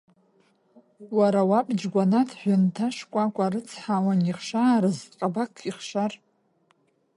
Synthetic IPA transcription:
waɾawapʼd͡ʒɡʷanatʰħʷᶣʊntʰaʂkʷʼakʷʼaɾɨt͡sʰħawaniχʃaːɾɨzqʼabakʰiχʃar

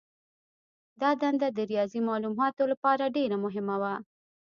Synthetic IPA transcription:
d̪ɑd̪and̪ad̪əɾijɑzimɑlumɦɑt̪olapɑɾaɖeɾamʊɦɪmawa

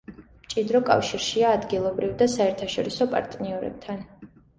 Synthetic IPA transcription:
mt͡ʃʼid̪ɾɔkʼa̰fʃiɾʃiaːd̪ɡilˠɔbɾivd̪asaɛɾt̪ʰaʃɔɾisɔpʼa̰ɾt̪ʼniɔɾɛ̰b̥̚t̪ʰan

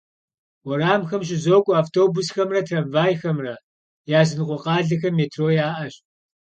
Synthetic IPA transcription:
wɔɾaːmxɐmʃ̬ɪzoːkʷʼʊaːftʰoːbʊsxɐmrɐtʰrɐmvaːjxɐmrɐ | jaːzɨnqʷʼɔqɑːɮɨxɐmːeːtʰroːjaːʔɐɕ

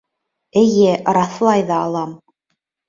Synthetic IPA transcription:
ɘ̆jɘɾɑθlˠɑjðɑːlˠɑm

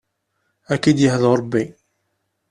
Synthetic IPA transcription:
ækid̪jəhðoɾˤəbːi

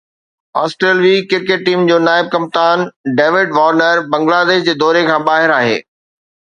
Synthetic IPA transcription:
aːsʈɾeːlʋiːkɪɾkeʈːiːmd͡ʑoːnaːɪb̚kɐ̃m̚t̪aːnɖeːʋɪɖʋaːɾnəɾbɐ̃ŋɡlaːd̪eːʃd͡ʑeːd̪ɔːɾekʰãːbaːɦɪɾaːɦḛː

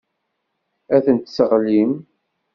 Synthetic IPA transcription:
æθənt̪səʁlim

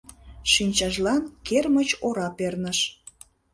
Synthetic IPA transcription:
ʃinʲt͡ɕɑʒlɑnkermət͡ɕoɾɑpernəʃ

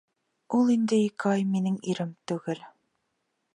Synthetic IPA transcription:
ulˠind̪ɘ̆ikɘɑjminɘŋiɾɘmt̪ʉɡɘl

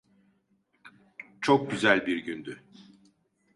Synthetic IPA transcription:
t͡ʃʰok̚ɟyzælʲbiɾɟynd̪y

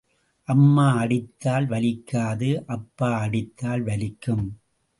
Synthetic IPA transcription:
ʔɐmːaːɐɽɪt̪ːaːlʋɐlɪkːaːðɯʔɐpːaːɐɽɪt̪ːaːlʋɐlɪkːɯm

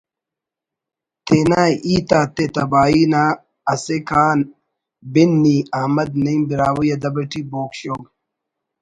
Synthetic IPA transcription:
t̪ʰeːnaiːt̪aːt̪et̪ɐbaːiːnaː | ɐsekʰaːn | binːiaːmɐd̪nɐimbiɾaːwujɐd̪ɐbɐʈiboːkɕoːɡ

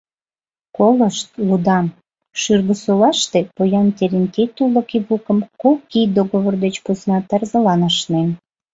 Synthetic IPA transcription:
koləʃt̪̚lud̪ɑm | ʃyrɣəsolɑʃt̪epojɑnt̪eɾent̪et̪uləkiβukəmkokːid̪oɣoβord̪et͡ɕpusnɑt̪ɑrzəlɑnɑʃnen

